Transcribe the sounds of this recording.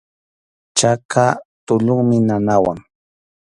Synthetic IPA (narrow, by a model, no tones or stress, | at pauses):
t͡ʃakat̪ʊʎʊŋmɪnanawaŋ